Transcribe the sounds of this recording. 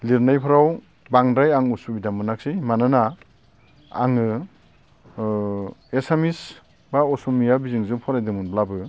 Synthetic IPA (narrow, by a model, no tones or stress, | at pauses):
liɾnajpʰɯɾaw | baŋdajaŋusubidamɯnak̚sijmanana | ŋɯ | esamis | baɔsumijabizɯŋzɯmpʰɔɾajdɯmunblabɯ